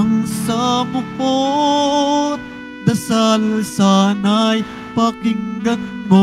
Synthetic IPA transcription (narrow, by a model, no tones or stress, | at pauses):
ɐŋsamʊko | d̪ɐsalsaːnaj | pakɪŋɡɐnːo